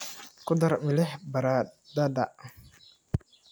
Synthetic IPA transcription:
kʊd̪ɐɾmɪlɛħbɐɾad̪ad̪aʔ

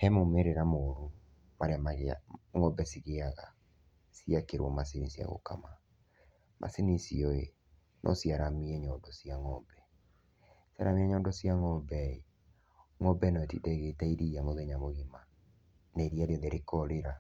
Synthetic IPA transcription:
hɛmomeɾeɾamoɾu | maɾeamaɣa̰ŋɔbɛsiɣeaɣa | siakeɾwɔmas̬inisija̰ɣo̰ka̰ma | mʔa̰sinisiɔḛ | nʔɔ̰siaɾamiɛɲɔːndɔsiaŋɔbɛ | sia̰ɾamiɛɲɔːndɔsiaŋɔbɛe | ŋɔbɛnɔtitɛɣetaiɾiamoðeɲamoɣima | naiɾiaɾjeðeɾekɔɾeɾa

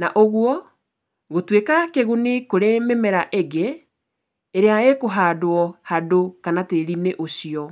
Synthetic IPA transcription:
naʔoɣwɔ | ɣotwekakeɣunikoɾememɛɾaʔeɣeː | ɾeaɣekoɦaːdoɔhadokanateɾineʔosiɔ

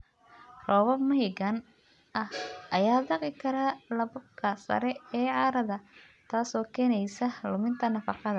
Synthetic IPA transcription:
rɔːβɔbmɐɦɪɡɐn | ɐhʔɐjaːd̪ɑqɪkʰɐɾalɐβɐb̚kʰɐsɐ̰ɾɛɛːʕɑːɾɐðɐ | t̪ʰaːsɔːkʰɛːnɛjsɐlʊmɪnt̪ʰɐnɐfɑqɑðɐ

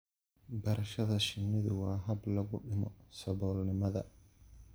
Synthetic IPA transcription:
bɐɾɐʃɐðɐʃɪmɪðɪwaːɦɐblɐɣʊɗɪmɔsɐβɔːlnɪmɐðɐ̰

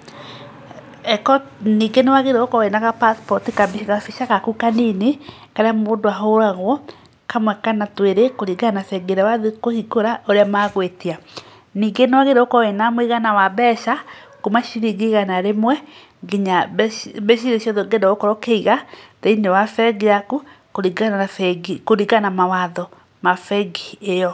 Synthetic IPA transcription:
ɛkɔniːɡenewaɣeɾeokɔenaɣapaspɔtikabiɣafiʃaɣakukanine | kaɾeamoːndoaɦoɾaɣwɔ | kamwɛkanatweɾekoɾiɡanafɛɡeɾɛwaðekohikoɾaʔoɾeamaːɣwetia | niːɡenwaɣeɾɛokɔɔenamweɣanawaβɛːʃa | komaʃiɾiɣeɣanaɾemwɛ | ɡeɲaβeʃiɾeʃiɔðoɡedaokɔɾɔkeiɣateinewafɛɡiaku | koɾiɡaaafɛɡikoɾiɡanamawaðɔ | mafɛɡiejɔ

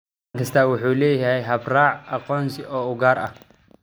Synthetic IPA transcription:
ŋkʰɐst̪ʰaːwʊħuːlɛːjɐhɛjɦɐbraːʕɐqɔːnsɪɔːʊɣaːɾɐ̰h

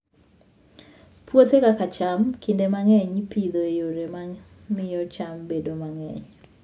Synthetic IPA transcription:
pwot̪ekakat͡ʃamkʰɪndemaŋɛɲpid̪oejoɾema | mɪjɔt͡ʃambedomaŋɛɲ

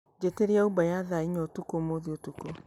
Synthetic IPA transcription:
d͡ʒeteɾiaubajaðaiɲɔtukomoðiotuko

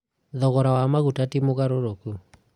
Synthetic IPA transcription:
ðɔɣɔɾawamaɣutatimoɣaɾoɾoku

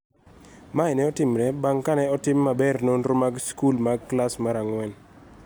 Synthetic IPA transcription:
maɛnɛɔtɪmɾɛbaŋkanɛɔtɪmːabɛrnonɾomaɡskulmaɡklasmaɾaŋwɛn

